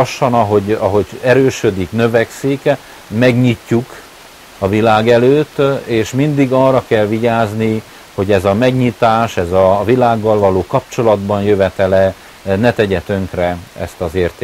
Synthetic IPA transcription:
ɒʃːɒnɒɦo̞ɟɒɦo̞ɟɛɾøːʃø̞d̪iknø̞vɛksik | mɛɡɲicːuk | ɒvilaːɡɛløːt̪ːeːʃmind̪iɡɒːrːɒkɛlʋiɟaːzni | ho̞ɟɛzɒmɛɡɲit̪aːʃɛzɒvilaːɡːɒlvɒloːkɒp̚t͡ʃo̞lɒd̪bɒnjøvɛt̪ɛlɛ | nɛt̪ɛɟɛt̪øŋkrɛɛ̰st̪ɒzeːrt̪eː

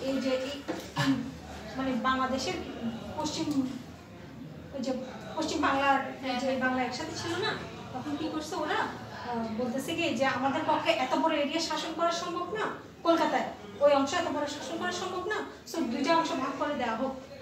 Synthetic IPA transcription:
ejd͡ʑe | manebaŋlad̪eʃeɾpoʃt͡ɕim | ojd͡ʑe | poʃt͡ɕimbaŋlaɾd͡ʑebaŋlaɾɛkʃat̪ʰet͡ɕʰilona | t̪ɔkʰonkikoɾsʰeoɾa | bolt̪esʰeked͡ʑeamad̪eɾpɔkʰːeʔɛt̪obɔɾoeɾiaɾʃaʃonkɔɾaɾʃɔŋbʱobna | kolkat̪ae | ojɔŋʃoɛt̪obɔɾoʃaʃonkɔɾaɾʃɔŋbʱobna | sod̪ujʈaɔŋʃobʱaɡ̚koɾed̪eaɦoɡ̚

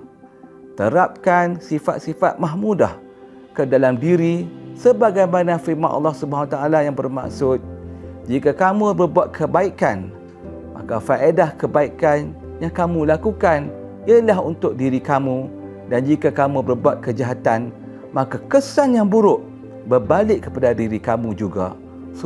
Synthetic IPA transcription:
t̪əɾap̚kansifa̰t̪̚sifa̰t̪̚maɦmudah | kədalamdiɾisəbaɡajmanãfirmanʔɑ̰lːɑhsubaɦanwat̪aalajaŋbərma̰ksʊt̪̚d͡ʒikakamũbərbuat̪̚kʰəbaikan | ma̰kafaʔedahkəbaikan | jaŋkamulakukan | iəlaɦunt̪ʊk̚diɾikamũ | dand͡ʒikakamubərbuat̪̚kəd͡ʒaɦat̪an | makakəsanjaŋbuɾʊʔ | bərbalɪʔkːə̥padadiɾikamud͡ʒuɡa̰

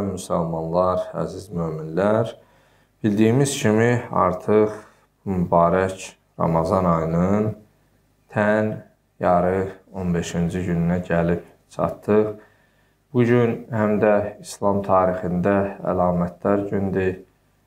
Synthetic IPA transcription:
mysælmɑnlˠɑɾæ̰zizmøːminlæɾ | b̥ild̪iːmiz̥cʰimiɑ̰ɾt̪ʰɯχ | umybɑːɾæcʰ | ɾɑ̰mɑzɑnɑjnɯn | t̪ʰæn | jɑɾɯo̞nbe̞ʃind͡ʒijylynæɟælip | t͡ʃʰɑ̰t̪ːɯχ | b̥uɟynhæmd̪æislˠɑmt̪ʰɑːɾixind̪ææ̰lɑːmæt̪̚ʰlæɾɟynd̪i

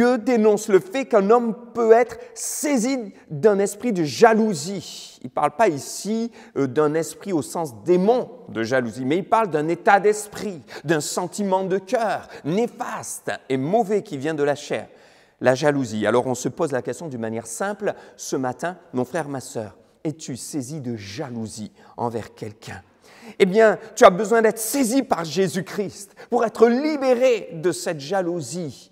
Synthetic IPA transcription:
ød̪enɔ̃sləfɛkɛ̃nɔmpøɛt̪χsezid̪ɛ̃nɛspχid̪əʒaluziḭlpa̰ʁlpaisi | d̪ɛ̃nɛspχiosɑ̃sd̪emɔ̃d̪əʒaluzimɛilpaʁld̪ɛ̃net̪ad̪ɛspχid̪ɛ̃sɑ̃t̪imɑ̃d̪əkʲœʁnefast̪emɔvɛkʲivjɛ̃d̪əlaʃɛ̰ːʁ | laʒaluzia̰lɔʁɔ̃səpozlakʲɛst̪jɔ̃d̪ynmanjɛʁsɛ̃plsəmat̪ɛ̃mɔ̃fχɛʁemasœ̰ːʁ | et̪ysezid̪əʒaluzi | ɑ̰̃vɛ̰ʁkʲɛlkʲʰɛ̃ | ebjɛ̃t̪yabəzwɛ̃d̪ɛt̪χəsezipaʁʒezykχist̪puʁɛt̪χəlibeʁed̪əsɛt̪ʒaluzi

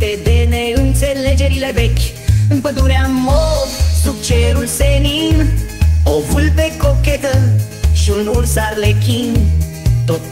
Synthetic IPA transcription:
t̪ed̪eneunseled͡ʒeɾilebek | mpəd̪uɾeamːosuk̚t͡ʃeɾulseninofulpekːoket̪ə | ʃunuɾsaɾlekin | t̪o

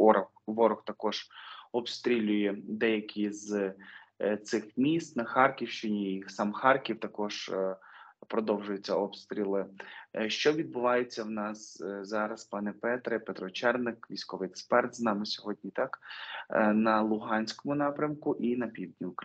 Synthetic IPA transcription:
ʋɔɾɔxt̪ɐkɔʒ̥ɔpst̪ɾʲilʲʊjɛd̪ɛjɐkʲiz | t̪sɪxmʲist̪nɐxɑrkʲiwʃt͡ʃɪnʲisɑmxɑrkʲiwt̪ɐkɔʒ | pɾɔd̪ɔwʒʊjʊt͡sʲːɐɔpst̪ɾʲilˠɪʃt͡ʃɔʋʲid̪̚bʊʋɑjʊt͡sʲːɐwnɑszɑɾɐspɑnɛpɛt̪ɾɛpɛt̪ɾɔt͡ʃɛrnɪkʋʲisʲkɔʋɪjɛkspɛrt̪znɑmɪsʲɔɦɔd̪̚ʲnʲit̪ɑk | nɐlˠʊɦɑnʲsʲkɔmʊnɑpɾʲɐmkʊʔinɐpʲiwd̪ʲnʲiʊk

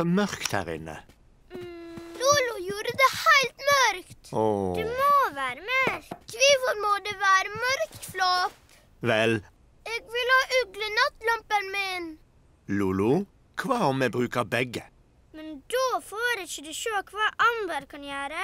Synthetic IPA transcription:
ɔmœʁkt̪hæ̰ːʁɪ̰nːə̰ | luːlʊjuːɾəd̪ɛːhæɪlt̪mœɾkt̪ɔd̪ʉmoːʋæːɾəmeːɾkʰʋiːʋʊɾmɔːd̪eʋæːɾəmœɾkt̪flɔp | ʋɛl | ɛɡʋɪlhɑːʔʉɡlənɑt̪lɔmpənmɪn | luːlʊ | kʰʋɑːɔmːɛbʁʉːkəbɛɡə | mɛnd̪ofoːɾɛçəd̪ɛʃoːkʰʋɑːʔɑmbəɾkʰɑnjœːɾə

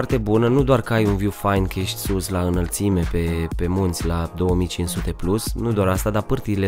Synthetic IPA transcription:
rt̪e̞bunənud̪oarkəajunvjufajnkəjeʃt̪ʲsuslaɨnəlt̪sime̞pe̞pe̞munt̪sʲlad̪o̞wəmijt͡ʃinsut̪e̞plusnud̪oaɾast̪ad̪apɨrt̪iile

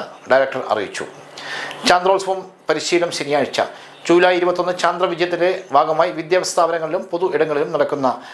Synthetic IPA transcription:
ɖɐjɾɐk̚ʈɐrɐ̰rḭjḭt͡ɕːṵ | t͡ɕaːnd̪roːlsʋɐm | pɐɾiɕiːlɐmɕenijaːɻit͡ɕːɐ̰ | d͡ʑuːlaːjiɾubɐt̪ːo̞nːɨt͡ɕaːnd̪rɐʋid͡ʑɐjɐt̪ːine̞bʱaːɡɐmaːjiʋid̪jaːʋɐst̪ʰaːʋɐɾɐŋːɐɭilumpo̞ðuiɽɐŋːɐɭilumnɐɽɐkːunːɐ

